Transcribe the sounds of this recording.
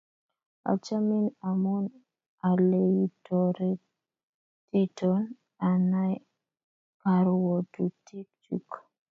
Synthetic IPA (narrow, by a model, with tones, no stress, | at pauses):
a̰˨t͡ʃa˦mi˦na˨mɔ˦n | a˨le˨jitɔ˨ɾe˦ | ti˦tɔn | a˨na˦j | ka˨ɾwo˨tu˨tʰi˦k̚t͡ʃṵ˦k